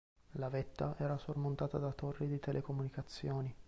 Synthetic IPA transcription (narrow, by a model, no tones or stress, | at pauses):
lavɛt̪ːaʔɛːɾasormont̪aːt̪ad̪at̪orːid̪it̪ɛlʔekomunikat̪sːjoːni